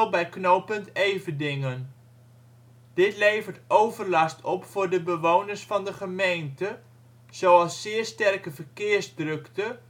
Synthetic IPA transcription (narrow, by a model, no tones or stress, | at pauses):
lˠbɛjknowpəntejvədɪŋən | d̥ɪtlejvərtowvərlɑstɔpfʊːɹdəbəʋownərsfɑndəχəmejntə | z̥owɑlˠsːɪːɹstɛrkəvərkɪːrzdrɵktə